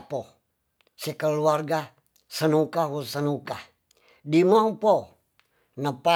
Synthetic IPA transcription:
pɔ | sɛkəluarɡa | sənukawusənuka | dimaŋpo | nəpa

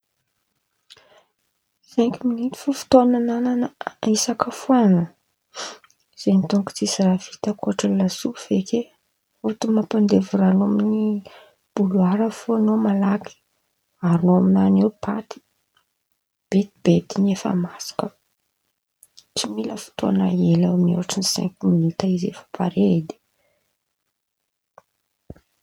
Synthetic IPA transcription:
z̥eŋkiminit̪i̥fufu̥t̪onanananəisakəfuanə | z̥enit̪oŋku̥t͡sisravit̪əkoʈ͡ʂəlasuv̥eke | ot̪umapand̪evuɾanomini | b̥uluaɾəfuanomalaki̥ | aɾnoaminanewpʰat̪i̥ | b̥et̪ib̥et̪inefə̰masḁkə | t͡similəfi̥t̪oanaelaaminṵaʈ͡ʂinisɛ̰̃ŋkminit̪aizḛfḁpʰaɾed̪i̥

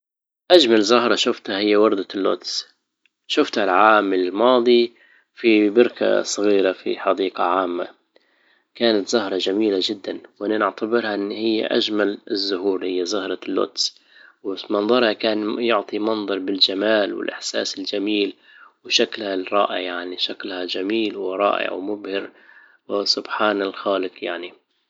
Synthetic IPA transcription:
ʔad͡ʒmalzʊhɾˤɑʃʊft̪hahɪjːawɑɾˤd̪alːʊ̰t̪s | ʃʊft̪halʕaːmɪlmɑːd̪ˤi | fibɪɾkʰa̰sˤɨɣiːɾafḭħɑd̪iːqɑʕaːmːa̰ | kaːnat̪z̥ʊhɾˤɑd͡ʒamiːlad͡ʒɪd̪ːanwʔɪnːɪnɪʕt̪abɪɾhaʔɪnːhɪjːa̰ʔad͡ʒmalɪzːʊhuːɾhɪjːazʊhɾˤɑlːʊ̰t̪s | wmɑnðˤɑɾˤhakaːnjʊʕt̪ˤimɑnðˤɑɾˤbɪld͡ʒamaːlwɪ̰lʔɪ̰ħsaːsɪld͡ʒamiːl | wʃaklhaɾˤɑ̰ːʔɪ̰ʕjaʕniʃaklhad͡ʒamiːlwɪɾˤɑ̰ːʔɪ̰ʕwmʊbhɪɾ | wɪsʊbħaːnalxaːlɪqjaʕni

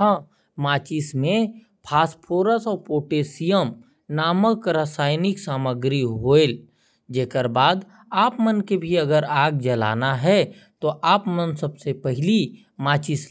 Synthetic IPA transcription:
ã | maːt͡ʃismẽ | pʰaːspʰoːɾəsɔːɾpoːʈeːsijəm | naːməkɾəsaːɪnɪksaːməɡɾiɦoːel | d͡ʒeːkəɾbaːd̪ | aːpmənkebʱiɐɡəɾaːɡd͡ʒəla̰ːnaɦɛ | t̪oʔaːpmənsəbsepɛɦɪli | maːt͡ʃɪs

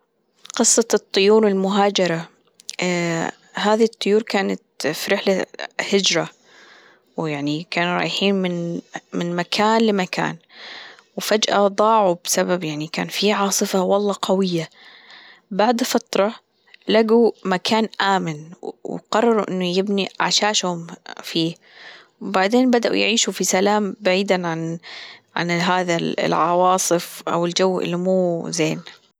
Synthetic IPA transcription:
qɨsˤːɑt̪ˤːʊjuːɾɪlmʊɦaːd͡ʒɑɾˤɑ | haːðit̪ˤːʊjuːɾkaːnat̪fiɾɪħlahɪd͡ʒɾˤɑ | wjaʕnikaːnuɾˤɑ̰ːjħiːnmɪnmɪnmakʰaːnlɪmakʰa̰ːn | wfad͡ʒʔa̰d̪ˤɑːʕubsababjaʕnika̰ːnfiʕɑːsˤɨfawɑlˤːɑːqawɪjːa | baʕd̪fat̪ɾˤɑ | laɡumakʰaːnʔaːmɪnw̰qɑrˤːɑɾˤuʔɪ̰nːʊjɪbniʕaʃaːʃhʊmfiː | wbaʕd̪eːnbad̪aʔṵjʕiːʃufisalaːmbaʕiːd̪aʕanʕa̰nɦaːða̰lʕɑwɑːsˤɨfʔa̰wɪld͡ʒawːʔɪ̰lːimuːzeːn

